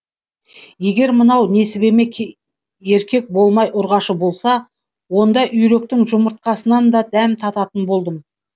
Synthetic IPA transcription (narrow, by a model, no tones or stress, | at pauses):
je̞ɡʲe̞ɾmənɑwne̞sɪbe̞me̞kʲʰ | e̞ɾkʲe̞k̚bo̞lˠmɑjʔʊɾʁɑʃəbo̞lˠsɑ | wo̞nd̪ɑʔʏjɾe̞k̚t̪ɪŋʒʊməɾt̪̚qɑsənɑnd̪ɑd̪æmt̪ʰɑt̪ɑt̪ənbo̞lˠd̪əm